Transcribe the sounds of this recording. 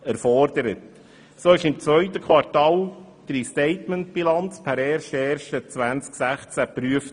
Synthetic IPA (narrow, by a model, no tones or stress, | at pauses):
ɛɾfɔrdəɾət | soɪʃɪmt͡svœʏtəkʰvɑɾtɑːl | d̥ɾistɛɪtmənt̚b̥ilɑnt͡spʰæɾɛrʃɛːrʃət͡sʋænt͡sksæχt͡sæpɾyəf